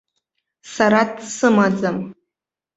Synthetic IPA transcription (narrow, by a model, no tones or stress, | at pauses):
saɾadsɨmad͡zam